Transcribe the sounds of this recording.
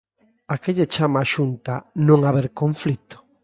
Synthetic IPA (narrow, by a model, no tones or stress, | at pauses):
akeʎet͡ʃamaːʃunt̪anõŋaβeɾkoɱflit̪o̥